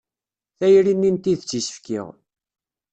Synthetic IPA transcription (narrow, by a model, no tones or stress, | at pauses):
θæjɾinːint̪iðət͡sːisə̥fkḭʁ